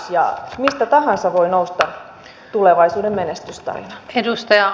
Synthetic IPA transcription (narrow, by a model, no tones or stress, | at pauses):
sjɑ̰mist̪æt̪ɑhɑnsɑʋoinoust̪ɑ | t̪uleʋɑisuːdemmenest̪yst̪ɑ̰rḭnɑ̥edust̪ɑjɑ